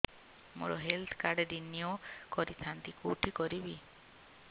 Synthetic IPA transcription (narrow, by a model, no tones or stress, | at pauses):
mo̰ɾɔ̰ɦelt̪ʰkaɾɖdiniokɔɾit̪ʰant̪ikoʈʰikɔɾibi